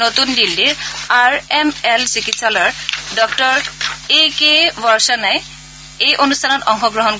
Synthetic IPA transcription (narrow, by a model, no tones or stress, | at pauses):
notundildiɹaɹɛmɛlsikitsalɔɹdɔktɔɹekebɔɹsanaj | ejʔonustʰanɔtɔŋxɔɡɹɔɦɔnk